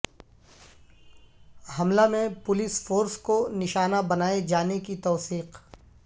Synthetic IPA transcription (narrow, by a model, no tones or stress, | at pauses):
hɐmlamẽpʊlɪsfoːɾskonɪʃaːnabɐnaːed͡ʒaːnekit̪ɔːsiːq